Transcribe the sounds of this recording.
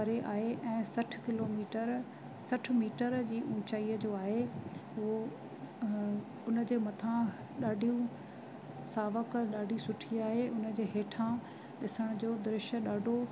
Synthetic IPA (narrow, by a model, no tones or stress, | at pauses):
ɐɾeʔaːɦeʔɛ̃ːsɐʈʰkɪloːmiːʈəɾ | sɐʈʰmiːʈəɾd͡ʑiːʔʊ̃ːt͡ɕaːiːəd͡ʑoːaːɦeʊɦo | ʊnə̆d͡ʑeːmɐt̪ʰã | ɗaːɖʱijũ | saːʋəkɗaːɖʱisʊʈʰiaːɦeʊnd͡ʑeːɦeːʈʰã | ɗɪsəɽ̃ʊd͡ʑoːd̪ɾɪʃə̆ɗaːɖʱo